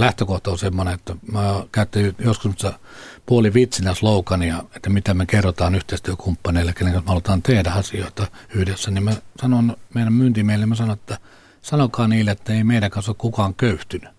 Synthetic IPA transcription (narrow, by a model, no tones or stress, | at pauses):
læht̪økoht̪ɑonsemːoneet̪ːæmækæˑyt̪ːijoskusmost̪ːɑ | puoliʋit̪sinæsloˑukɑnijɑet̪ːæmit̪æmekerːot̪ɑːnyht̪eˑist̪yøkʰumpːɑneilːekeneŋkɑnsmeɑlut̪ɑːnt̪ehdæɑsioˑit̪ɑyhdesːænimmesɑnonmeˑiɾæmmyːnt̪imeˑilemæsɑnoet̪ːæ | sɑnokɑːniːlːeet̪ːæeimeiɾækɑːsoːkkukɑːŋkøyht̪yny̥